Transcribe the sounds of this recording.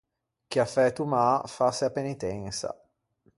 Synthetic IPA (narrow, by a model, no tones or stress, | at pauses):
k̟jafɛt̪umafaseapenit̪ɛnsa̰